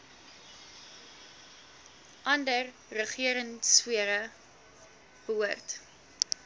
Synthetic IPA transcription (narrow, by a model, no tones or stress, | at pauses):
ʔɐndər | rəχiəɾənswiəɾə | b̥əuərt